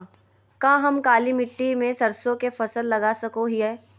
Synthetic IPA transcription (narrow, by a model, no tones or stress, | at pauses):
kãːɦɐmkaːlimɪʈːimẽsɐɾsõkefɐsəlːɐɡasɐkoɦiɦɛː